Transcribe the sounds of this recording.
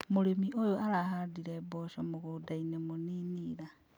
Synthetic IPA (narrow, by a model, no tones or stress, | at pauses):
moɾemiʔojoaɾaɦadiɾɛbɔʃɔmoɣodainemoniniːɾa